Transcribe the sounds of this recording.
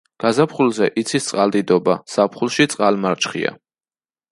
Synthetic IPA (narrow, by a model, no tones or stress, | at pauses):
ɡ̥azapχulˠzɛʔit̪sʰist̪sʼqʼald̪id̪ɔbasapʰχulˠʃit̪sʼqʼalmaɾt͡ʃʼχḭa̰